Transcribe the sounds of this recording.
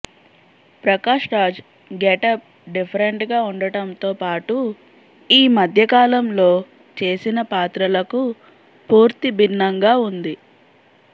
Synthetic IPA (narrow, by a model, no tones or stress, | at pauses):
pɾɐkaːʂɾaːd͡ʒ | ɡeʈɐp̚ | ɖipʰɐɾeɳʈɡaːuɳɖɐʈɐmt̪o̞ːpaːʈu | iːmɐd̪ʱjɐkaːlɐmlo̞ː | t͡ʃe̞ːsinɐpaːt̪ɾɐlɐku | puːɾt̪ibinːɐŋɡaːund̪i